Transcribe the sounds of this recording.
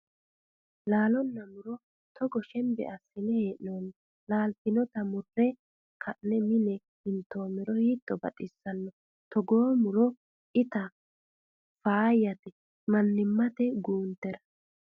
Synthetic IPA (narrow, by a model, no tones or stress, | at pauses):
laːlɔnːɐmʊɾɔ | t̪ɔɡɔʃɛmbɛ̰ʔɐsːɪnɛheːʔnoːn | laːlt̪ɪnɔt̪ɐmʊrːɛ | kʰɐʔːɛmɪnɛ | hɪnt̪ːo̞ːmɛɾɔhiːt̪ʼːɔbɐ̰tʼɪsːɐnːɔ | t̪ɔɡoːmʊɾɔ | ʔɪt̪ɐ | faːjɐt̪ɛ | mɐnːɪmːɐt̪ɛɡuːnt̪ːɛɾɐ̥